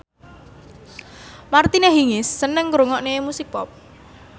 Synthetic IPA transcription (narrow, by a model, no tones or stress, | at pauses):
mart̪ineɦiŋɪsːənəŋkɾoŋɔʔnemusik̚pɔp̚